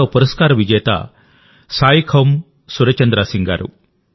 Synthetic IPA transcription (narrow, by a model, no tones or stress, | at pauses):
oːpuɾɐskaːɾɐʋid͡ʒɛːt̪a̰ | saːjikʰɐm | suɾɐt͡ʃɐnd̪ɾaːsiŋɡa̰ːɾṵ